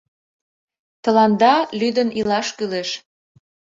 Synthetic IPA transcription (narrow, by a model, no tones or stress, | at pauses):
t̪ə̆lɑnd̪ɑlyd̪ənʔilɑʃkyleʃ